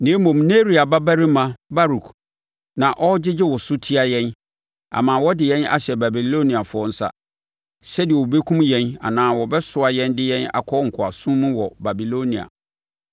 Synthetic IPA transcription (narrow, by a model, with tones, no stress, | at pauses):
nɪ̃˨˦e˦mɔ̃˨mne˦ɾi˨a˨ba˦bæ˦ɾi˦mã˨ba˦ɾu˨k | nã˨ʔɔ˦d͡ʑɪ˦d͡ʑɪ˦wɔ˨sʊ˦tʰi˦a˨jɛ̃˦n | a̰˨mãː˨wɔ˦dɪ˨jɛ̃˦na̰˨ɕɛ˨ba˨bi˨lo˦nĩ˨a˨fʊ˦ɔ˦n̩˦sa̰˦ | ɕɛ˦dɪ˨ɛ˨o˨be˦kʰũ˦mjɛ̃˦na̰˨nãː˨˦wɔ˨bɛ˦sʊ˦a˨jɛ̃˦ndɪ˦jɛ̃˦na̰˨kʰɔ˦ŋ̩˨kʰʊ˨a̰˨sũ˦mũ˦wɔ˨ba˨bi˨lo˦nĩ˨a̰˨